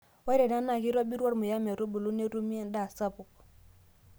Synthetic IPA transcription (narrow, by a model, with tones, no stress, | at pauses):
wa˦ɾɛ˨na˦na˨ki˦ɾɔ˦bi˦ɾwa˦ɾmu˨ja˦mɛ˨ɾo˦bu˨lu˦ne˦ɾu˦mi˦ɛ˨nda˦˨sa˦pʊ˨k̚